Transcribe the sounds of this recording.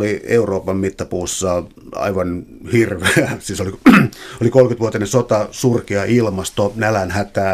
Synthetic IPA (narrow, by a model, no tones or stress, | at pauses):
liḛuroːpɑmmit̪ːɑpuːsːɑ | ɑ̰iʋɑnhirʋeæsiːsoliolikolkyt̪ʋuot̪inesot̪ɑsurkiɑʔilmɑst̪onælænhæt̪æː